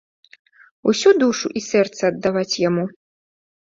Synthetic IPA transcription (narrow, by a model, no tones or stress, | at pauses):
usʲud̪uʂuʔisɛrt̪sɐːd̪ːavat͡sʲjamu